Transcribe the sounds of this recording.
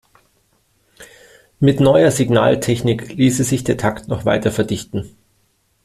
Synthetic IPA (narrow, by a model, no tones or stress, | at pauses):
mɪtnɔʏɐzɪɡna̰ːltʰɛçnɪkliːsezɪçd̥eːɐtʰaktnɔχv̥a̰ɪtɐfɛɐdɪçtn̩